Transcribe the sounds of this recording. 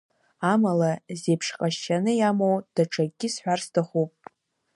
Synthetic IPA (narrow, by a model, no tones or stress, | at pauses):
amalazepʰʂqʼaʃanɨjamowd̥aʈ͡ʂʰʼaɡʲɪsħʷᶣarstʰaχʷupʼ